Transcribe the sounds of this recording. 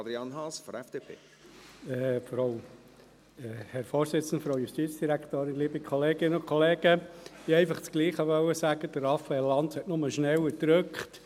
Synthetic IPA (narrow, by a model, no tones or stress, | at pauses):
ɑd̪ɾiɑnɦɑsfɔɾɛfd̥eːpʰḛː | fɔɾɑʊ | ɛhɛɾfɔːɾsɪt͡sən̩d̪əfɾoʊjustiːt͡sd̥iɾækʰt̪oːɾɪnliːbikʰχɔleːɡɪnəʊnkχɔleːɡ̥əiːɛɪfɑχt͡sɡ̥liːχhɑʋœwəsæːɡ̥əd̥əɾɑfəɛlːɑnthɛtnʊməʃnɛwəd̥ɾøkχt